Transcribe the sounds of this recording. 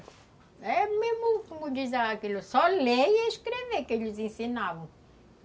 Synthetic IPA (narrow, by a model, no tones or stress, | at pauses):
ɛmemʊkomʊdizaakilʊsɔleeʃkɾevekeʎɪzẽsinavɐ̃w̃